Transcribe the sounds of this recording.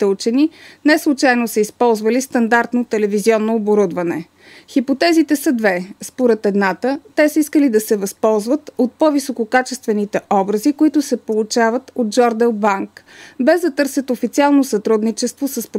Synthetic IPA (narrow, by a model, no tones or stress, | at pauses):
t̪ɛut͡ʃɛninɛslˠut͡ʃajnosɛispɔlˠzvəlist̪ɐnd̪aɾt̪not̪ɛlɛviziɔnːoːboɾud̪vɐnɛ̰ | xipot̪ɛzit̪ɛsəd̪vɛspoɾɛt̪ɛd̪nat̪ət̪ɛsəiskəlid̪ɐsɛvɐspɔlˠzvət̪ot̪̚pɔvisokokat͡ʃɛst̪vɛnit̪ɛʔɔbɾəzikoit̪ʊsɛpolˠʊt͡ʃavət̪od̪̚d͡ʒɔɾd̪ɛlˠbaŋkbɛzd̪ɐt̪ɤɾsɛt̪ofit̪sialˠnosɐt̪ɾud̪nit͡ʃɛst̪vosəsp